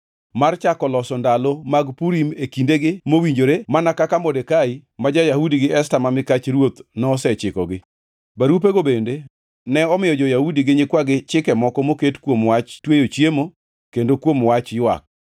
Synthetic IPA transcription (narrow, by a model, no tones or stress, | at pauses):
mart͡ʃakɔlɔsɔndalomaɡpuɾimekindeɡɪmowiɲd͡ʒoɾemanakakamɔdekaimad͡ʒajahudiɡɪɛstamamɪkat͡ʃɾwot̪nɔsɛt͡ʃɪkɔ̰ɡɪ | baɾup̬eɡobende | nɛɔmɪjɔd͡ʒɔjahudiɡɪɲɪkwaɡɪt͡ʃɪkɛmɔkɔmoketkwomwat͡ʃtwejot͡ʃjemo | kendokwomwat͡ʃjwa̰k̚